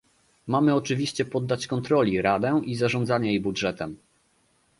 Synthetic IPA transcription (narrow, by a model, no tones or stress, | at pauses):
mamɘɔt͡ʂɘvʲiɕt͡ɕɛpɔd̪ːat͡ɕkɔnt̪ɾɔlʲiɾad̪ɛʔizaʐɔnd̪zaɲɛjejbudʐɛt̪ɛm